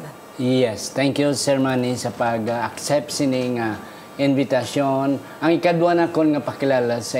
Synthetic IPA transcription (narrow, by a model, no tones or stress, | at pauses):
jɛst̪ɛŋkjusɛɹmanisɐpɐɡaak̚sɛp̚t̪sɪnɪŋa | ʔɪnvɪt̪ɐson | ʔɐŋɪkad̪wanakonŋapɐkɪlaːlasɐ